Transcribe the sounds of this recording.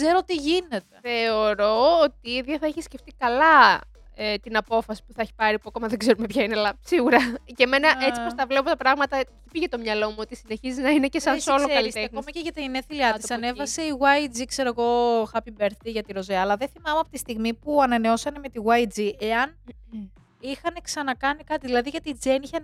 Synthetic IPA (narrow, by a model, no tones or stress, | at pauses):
kz̥e̞ɾot̪iʝine̞t̪e̞θeo̞ɾo̞ot̪iiðʝɐθɐeçisceft̪ikɐlɐ | et̪inɐpo̞fɐsi̥puθɐeçi̥pɐɾipuɐko̞mɐðeɡze̞ɾumepçɐinelɐsiɣuɾɐce̞me̞nɐʔet͡sipost̪ɐvlepot̪ɐpɾɐɣmɐt̪ɐçi̥piʝet̪o̞mɲɐlo̞muo̞t̪isine̞çiziznɐinecesɐnsolloɐliist̪eɐkomɐceʝɐt̪iineθiliɐt̪isɐne̞vɐseiɣwɐid͡zikse̞ɾoɣo̞xɐpimbe̞ɾθiʝɐt̪iɾo̞ziɐːlɐðeθimɐmeɐpot̪ist̪iɣmipuɐnɐne̞o̞sɐne̞me̞t̪iɣwɐid͡ziʔe̞ɐn | ixɐne̞ksɐnɐkɐnikɐt̪iðilɐðiʝɐt̪iːd͡zeniçen